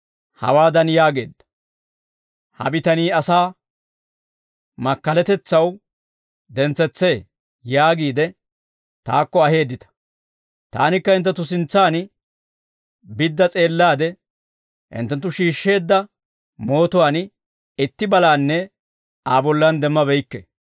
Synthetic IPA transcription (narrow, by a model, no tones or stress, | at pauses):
hɐ̰waːd̪ɐnjaːɡe̞̰ːd̪ːɐ̥ | hɐ̰bɪt̪ɐniːɐsaː | mɐkːɐlɛt̪ɛt͡sːɐw | d̪ɛnt͡sːɛt͡sːe̞ː | jaːɡiːd̪ɛ | t̪a̰ːkːɔɐhe̞ːd̪ːɪt̪ɐ̥ | t̪a̰ːnɪkːɐɪnt̪ːɛt̪ːʊsɪnt͡sːaːn | bɪd̪ːɐt͡sʼe̞ːlːaːd̪ɛ | ʔɪ̰nt̪ːɛnt̪ːʊʃiːʃːe̞ːd̪ːɐ | mo̞ːt̪ʊwaːn | ɪt̪ːɪbɐlaːnːɛ | aːbɔlːɐnd̪ɛmːɐbɛjkːɛ̰